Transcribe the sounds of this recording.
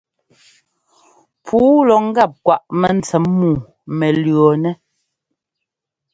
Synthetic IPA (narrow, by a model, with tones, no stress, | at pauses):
pʰuː˨˦lɔ˨ŋ̩˦ɡa˦˨p̚kwa˨ʔmɛ˨n̩˨t͡sɛ˨˦mːuː˨ | mɛ˨lɰɔ˨nɛ˦